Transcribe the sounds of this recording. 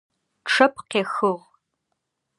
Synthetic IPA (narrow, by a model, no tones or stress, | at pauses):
ʈ͡ʂʰɐp̚ʰqeːxɨʁ